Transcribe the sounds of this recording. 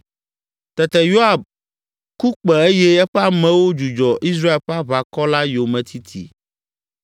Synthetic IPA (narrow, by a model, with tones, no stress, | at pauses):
t̪ɛ˨t̪ɛ˨jo˦a˨b̚ | ku˦k͡pɛ˨e˦jɛ˦ɛ˦ɸɛ˦a˨mɛ̃˦wo˦d͡ʒu˨d͡ʒɔ˨ʔi˦s̬ɾa˦e˨lɸa˦βa˨kɔ˦la˦jo˨mɛ̃˨t̪ʰi˦t̪ʰḭ˨